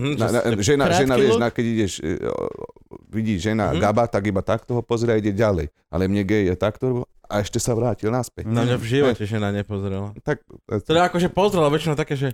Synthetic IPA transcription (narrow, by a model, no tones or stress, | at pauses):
nanaʒɛnaʒɛnaʋɛʃnakɛiɟɛʃ | ʋiɟiːʒɛna̰ɡabat̪aɡibat̪ak̚t̪ɔɦɔpɔzɾɛaiɟɛɟalɛj | ʔa̰lɛmɲɛɡɛɛt̪akt̪ɔɾbɔ | a̰ɛʃcɛsaʋɾaːcilnaspɛcnamɲavʒiʋɔcɛʒɛnaɲɛpɔzɾɛlat̪ak̚t̪ɔaakɔʒɛpɔzɾɛlaʋɛt͡ʃinaʊt̪akɛːʒɛ